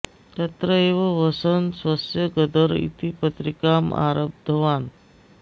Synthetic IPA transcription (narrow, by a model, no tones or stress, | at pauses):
t̪ət̪ɾəeʋəʋəsənsʋəsjəɡəd̪əɾḭt̪ipət̪ɾikamʔa̰ɾəb̚d̪ʱəʋan